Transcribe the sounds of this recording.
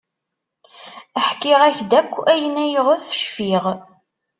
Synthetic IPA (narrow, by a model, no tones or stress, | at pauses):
əħkːɪʁæçd̪ækʷːæjənæjəʁæθə̥ʃfiʁ